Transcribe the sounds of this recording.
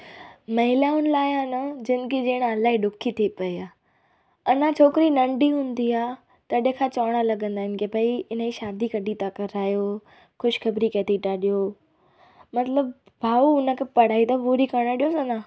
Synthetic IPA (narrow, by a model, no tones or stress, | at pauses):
mɐɦɪlaʊnəlaːɪanəd͡ʑɪn̆kid͡ʑeːɽ̃ɐlaːiɗʊkʰit̪ʰipɐiaː | ɐnãt͡ɕʰoːkɪɾinɐ̃ɳɖiɦũːnd̪iaː | t̪ɐɗẽkʰãt͡ɕaʋɽ̃alɐɠə̃nd̪aːɦɪnkʰepɐiɪnəiʃaːd̪ikɐɖit̪akɐɾaːjo | xʊʃxɐbɾikeːt̪ʰiʈaːɗijo | mɐt̪ləb̚ | bʱaːuʊnə̆kʰepɐɽ̤aːit̪ɐʋuːɾikɐɽ̃aɗijosɐnã